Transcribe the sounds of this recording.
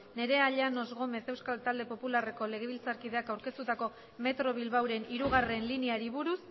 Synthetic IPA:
ne̞ɾe̞aʎano̞zɣo̞me̞se̞wskalt̪ald̪e̞po̞pulare̞ko̞le̞ɣ̞e̞βilt͡saɾkið̞e̞akawɾke̞st̪ut̪ako̞ | me̞t̪ɾo̞β̞ilβawɾe̞niɾuɣ̞are̞nliniaɾiβuɾus

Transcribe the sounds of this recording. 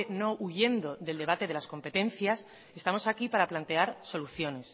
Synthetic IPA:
no̞ʔuʝe̞nd̪o̞ðe̞ld̪e̞β̞at̪e̞ð̞e̞lasko̞mpe̞t̪ẽ̞n̟θjas | e̞st̪amo̞sakipaɾaplant̪e̞aɾso̞luθjo̞ne̞s

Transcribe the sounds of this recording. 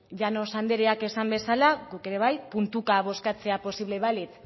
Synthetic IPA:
ʝano̞sand̪eɾeake̞sambe̞salaɡuke̞ɾe̞β̞ajpunt̪ukaβo̞skat͡se̞apo̞siβle̞βalit͡s̪

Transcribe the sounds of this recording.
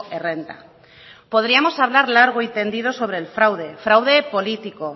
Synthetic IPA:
erent̪a̰ | poð̞ɾiamosaβlaɾlaɾɣ̞oint̪end̪ið̞osoβ̞ɾeːlfɾawð̞efɾawð̞epolit̪iko

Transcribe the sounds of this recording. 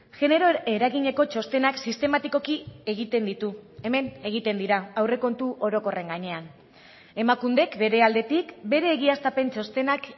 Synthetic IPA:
ʝe̞ne̞ɾo̞e̞ɾaɣiɲe̞ko̞t͡ʃo̞st̪e̞naksist̪e̞mat̪iko̞kie̞ɣit̪e̞nd̪it̪ue̞me̞ne̞ɣ̞it̪e̞nd̪iɾaawreko̞nt̪uʔo̞ɾo̞ko̞re̞ŋɡaɲe̞an | e̞makund̪e̞kbe̞ɾe̞ald̪e̞t̪ikbe̞ɾe̞ːɣiast̪ape̞nt͡ʃo̞st̪e̞nak

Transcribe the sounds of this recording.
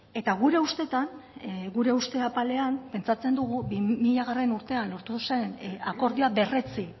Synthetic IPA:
e̞t̪aɣuɾe̞ust̪e̞t̪anɡuɾe̞ust̪e̞apale̞anpe̞nt͡sat͡se̞nd̪uɣ̞ubimiʎaɣ̞are̞nuɾt̪e̞anlo̞ɾt̪use̞nako̞ɾðioabe̞re̞t͡si

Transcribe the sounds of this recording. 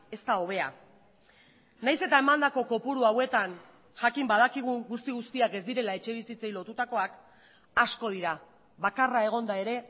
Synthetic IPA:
e̞st̪ao̞β̞e̞a | najse̞t̪ae̞mand̪ako̞ko̞puɾuawe̞t̪an | ʝakimbað̞akiɣ̞uŋɡust̪iɣust̪iake̞zd̪iɾe̞lae̞t͡ʃe̞β̞isit͡se̞jlo̞t̪ut̪ako̞ak | asko̞ð̞iɾa | βakarae̞ɣ̞o̞nd̪ae̞ɾe̞

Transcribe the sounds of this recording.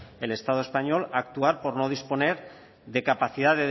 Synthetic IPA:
e̞le̞st̪að̞oe̞spaɲo̞lak̚t̪uaɾpo̞ɾno̞ð̞ispo̞ne̞ɾ | ðe̞kapaθið̞aðe

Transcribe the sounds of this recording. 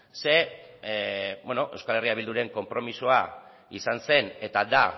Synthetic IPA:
se̞ | bweno̞ʔe̞wskale̞riaβild̪uɾe̞ŋko̞mpɾo̞misoa | isanse̞ne̞t̪ad̪a

